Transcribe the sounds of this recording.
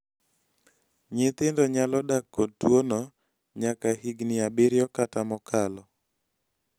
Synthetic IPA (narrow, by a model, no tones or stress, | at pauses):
ɲɪt̪ɪndɔɲalɔdakːod̚twonɔ | ɲakahiɡnɪabɪɾjɔkatamɔkʰalɔ